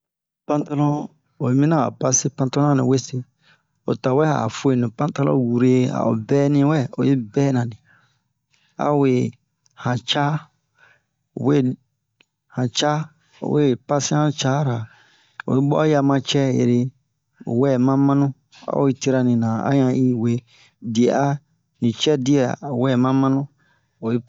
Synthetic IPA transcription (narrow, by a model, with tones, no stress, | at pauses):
pã˦nta˦lɔ̃˦ | o˨˦mĩ˦nã˦a̰˨pa˦si˦pã˧nta˦lɔ˦ã˦nĩ˨we˦se˦ | o̰˨ta˨wɛ˦a̰˨fo˦e˨nĩ˨pã˦ta˦lɔ̰̃˦wu˨ɾe˨a̰˨o̰˨bɛː˦nĩ˦wɛ˦o̰˨je˦bɛː˦nã˨di˨ | a̰˦˨we˨ | hã˨t͡ʃa˦ | o˨we˦ | hã˨t͡ʃa˦ | o̰˨we˦pa˦sĩ˦ã˦t͡ʃa˦ɾa˨ | o̰˨i˦bɔ̰˦ja˧mã˧t͡ʃɛ˦jḛ˨ɾe˧ | o̰˨wɛ˦˨mã˦mã˦nũ˦ | a̰˦o˦i˦te˦ɾa˧nĩ˨nã˨a̰˦ɲã˨i˦we˨ | di˨a˦ | nĩ˨t͡ʃɛ˦di˦ɛ˨wɛ˦˨mã˦mã˦nũ˦ | o˨je˦